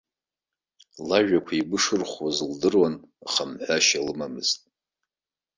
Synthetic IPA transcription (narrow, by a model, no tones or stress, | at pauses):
laʒᶣakʷʰaibɨʂɨrχʷwazɨldɨrwanaχamħʷaʃalɨmamɨz̥tʼ